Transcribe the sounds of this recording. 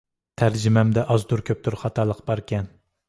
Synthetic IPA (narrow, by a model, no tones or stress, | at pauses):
t̪ʰæɾd͡ʒɪmɛmd̪ɛʔɑzd̪uɾkʲʰøp̚t̪ʰyɾχɑt̪ʰɑlˠəqbɑɾkʲɛn